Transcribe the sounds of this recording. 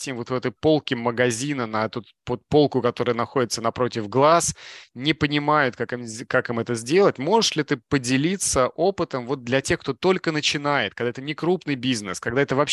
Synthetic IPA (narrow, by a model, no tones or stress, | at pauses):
tʲɪmvo̞t̪vɛt̪əjpo̞lˠkʲɪməɡɐzʲinənɐɛt̪ut̪pot̪̚po̞lˠkʊkɐt̪o̞ɾəjənɐxo̞dʲɪt̪sənɐpɾo̞tʲɪvɡlˠasnʲɪpənʲɪmajʊt̪̚kakɨmkakimɛt̪əzʲdʲe̞lˠətʲmo̞ʐɨʂlʲɪt̪ɨpədʲɪlʲit̪səʔopɨt̪əmvo̞t̪̚d̪lʲɐtʲe̞xkt̪o̞t̪o̞lʲkənət͡ɕɪnajɪt̪kɐɡd̪aɛt̪ənʲɪkɾupnɨjbʲiznəskɐɡd̪aɛt̪əvɐp